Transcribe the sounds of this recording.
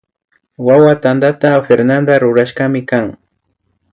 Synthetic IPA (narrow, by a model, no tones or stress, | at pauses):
wawat̪and̪at̪afeɾnand̪aɾʊɾaʃkamɪkaŋ